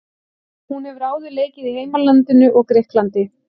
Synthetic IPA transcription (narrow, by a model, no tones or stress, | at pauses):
hunhɛvʏɾaːwðʏleːjcɪðiɦejmalant̪ɪnʏʔɔɣkɾɪhklant̪ɪ